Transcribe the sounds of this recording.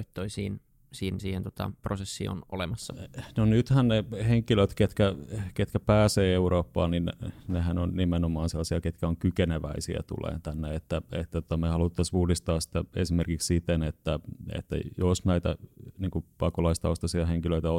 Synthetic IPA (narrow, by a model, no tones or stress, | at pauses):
it̪ːoisiːn | siːnsiːhent̪ot̪ɑ̰prosesːḭo̰nolemɑsːɑ̥nonyt̪hænneheŋkiløt̪ket̪kæket̪kæpæːseːeuɾoːpːɑ̰ːninnehænonnimenomɑːnselːɑsiɑket̪kæoŋkykeneʋæisiæ̰t̪ṵlḛːnt̪ænːeet̪ːæet̪ːæt̪ot̪ɑmehɑlut̪ːɑsuːlist̪ɑːssi̥t̪æesimerkikssit̪enet̪ːæḛt̪ːæ̰josnæit̪æ̰niːŋkupɑkolɑist̪ɑuost̪ɑsiɑheŋkiløit̪æo